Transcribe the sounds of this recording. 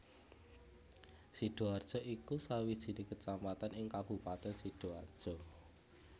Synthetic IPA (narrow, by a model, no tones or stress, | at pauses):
siɖ̥o̤ard̥ʒ̥ɔ̤ʔikusawid̥ʒ̥i̤nikət͡ʃampat̪anɪŋkab̥ṳpat̪ɛnsiɖ̥oard̥ʒ̥ɔ̤